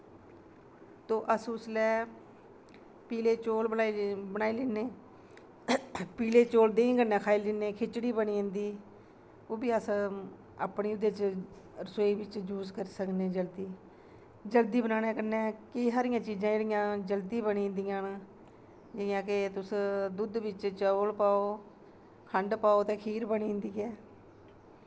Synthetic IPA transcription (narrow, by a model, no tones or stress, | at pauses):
t̪oːʔəsʊslɛː | piːleːt͡ʃoːlbəaːbənaːiːlɪːneː | piːleːt͡ʃoːld̪eːĩːɡənɛ̃ːkʰaːɪlːɪːneːkʰɪt͡ʃɽiːbəɳiːɦnd̪iː | oːbiːəs | a̰ːpɳiːʊd̪eːt͡ʃ | ɾəsoːiːʋɪt͡ʃd͡ʒuːzkəɾsəkneːd͡ʒəld̪iː | d͡ʒəld̪iːbənaːnɛːkənɛːkɪsaːɾɪjãːt͡ʃiːd͡ʒãːeːɽɪjãːd͡ʒəld̪iːbəniːnd̪ijãːn | d͡ʒeɪjãːkɪt̪ʊsd̪ʊd̪ʋɪt͡ʃt͡ʃəːlpaːoː | kʰəɳɖpaːoːt̪eːkʰiːɾbəɳĩːnd̪iːɛː